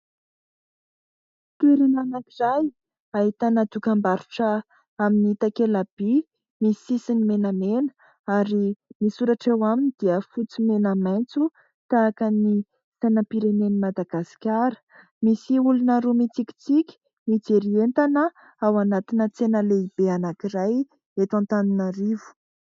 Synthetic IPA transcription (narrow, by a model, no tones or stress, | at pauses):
t̪eɾinanakizaj | aɦit̪anat̪ukambaɾuʈ͡ʂə | aminiit̪akelab̥i | misisinimenamenə̥ | aɾimisuɾaʈ͡ʂewaminid̪̥iəfut͡simenəmajnt͡su | t̪aːkəni | sajnəpiɾenenimad̪aɡ̥asi̥kʲaɾə̥ | misiulunəɾumit͡sikʲi̥t͡sikʲi̥ | mid͡zeɾient̪anə | awanat̪inət͡senəleibeanakiɾaj | et̪ãnt̪aninaɾivu̥